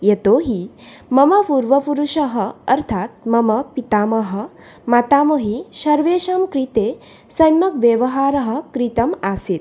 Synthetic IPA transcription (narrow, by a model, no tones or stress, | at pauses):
jet̪oɦimɐmɐpuːɾʋɐpuɾuʂɐɦəɐɾt̪ʰat̪̚mɐmɐpit̪aːmɐɦə̆ | mat̪aːməɦiʃɐɾʋeːʃɐmkɾit̪e | sɐjmɐkʋjeʋɐɦaːɾɐɦə̆kɾit̪ɐmasit̪